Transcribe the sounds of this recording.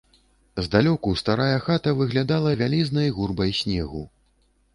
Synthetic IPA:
zd̪alʲɔkust̪aɾajɐxat̪ɐvɨɣlʲad̪alˠɐvʲalʲiznɐjɣurbɐjsʲnʲɛɣu

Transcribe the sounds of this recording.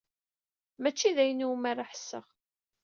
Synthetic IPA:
mæt͡ʃːiðæjənumaɾaħə̥sːə̰ʁ

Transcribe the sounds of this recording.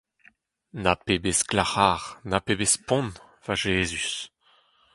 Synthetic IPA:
napebesklaχaːʁnapebespɔ̃n | v̥aʒeːzys

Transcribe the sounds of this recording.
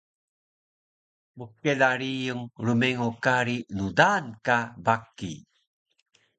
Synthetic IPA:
məkːelaɾijəŋɾumeŋukaɾinudankabakːḭ

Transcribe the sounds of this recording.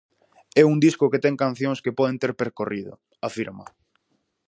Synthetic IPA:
ɛuŋd̪iskʊket̪ɛŋkan̟θjõŋskepɔð̞ent̪eɾpeɾkoriðʊ̰ | afiɾma̰

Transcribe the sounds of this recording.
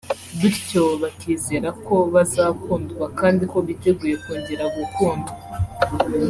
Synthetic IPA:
βiɾco̞βatʰiːze̞ːɾako̞βazaːkuːndɡwakaːndiko̞βite̞ɡuːje̞kuːɲɟeɾaɡukuːmba

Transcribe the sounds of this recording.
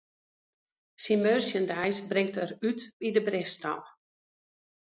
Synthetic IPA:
simørsjəndajsbrɪŋtərytbidəbrɪstɔ̰lˠ

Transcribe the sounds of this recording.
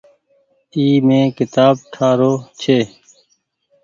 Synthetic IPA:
iːmẽːkɪt̪aːb̚ʈʰaːɾoːt͡ʃʰeː

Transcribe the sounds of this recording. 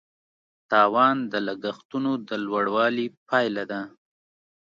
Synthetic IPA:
t̪ɑwɑnd̪əlaɡaxt̪unod̪əlwaɽwɑlipʰɑjlad̪a

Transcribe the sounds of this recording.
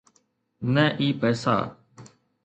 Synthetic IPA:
nɛ̃ːʔiːpɛːsa̰ː

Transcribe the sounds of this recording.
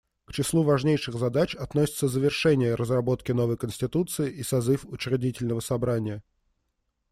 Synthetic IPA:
kt͡ɕɪslˠuvɐʐnʲejʂɨɣzɐd̪at͡ɕɐt̪nosʲɪ̥t̪səzəvʲɪrʂɛnʲɪjəɾʔəzrɐbo̞t̪kʲɪno̞vəjkənʲsʲtʲɪt̪ut̪sɨɪʔisɐzɨfʊt͡ɕɪɾʲɪdʲitʲɪlʲnəvəsɐbɾanʲɪjə

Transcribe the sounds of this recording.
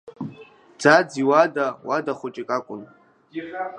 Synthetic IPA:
d͡zad͡ziwadawadaχʷʊt͡ʃʼikʼakʷʼʊn

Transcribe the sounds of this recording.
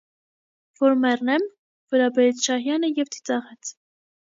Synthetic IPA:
vɔɾmɛrnɛm | vəɾɑbɛɾɛt͡sʰʃɑɦjɑnəjɛvt͡s̪ʰi̥t͡sɑʁɛt͡sʰ

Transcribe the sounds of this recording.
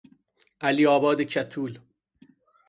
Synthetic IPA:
ʔæliːɒːbɒːd̪et͡ʃʰæt̪ʰuːl

